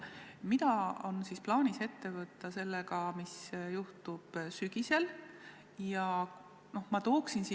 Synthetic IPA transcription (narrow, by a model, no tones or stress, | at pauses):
mit̪ɑo̞nsisplɑːnise̞t̪ːe̞vɤt̪ːˑɑse̞lːeɡɑmisjuht̪ub̥syɡ̥ise̞l | jɑ | no̞hmɑt̪o̞ːksinsi